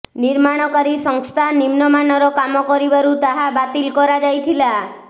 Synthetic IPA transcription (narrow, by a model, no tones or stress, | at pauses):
niɾmaɽ̃ɔkaɾisɔŋst̪ʰanimnɔmanɔɾɔkamɔkɔɾibaɾut̪aɦabat̪ilkɔɾad͡ʒajt̪ʰila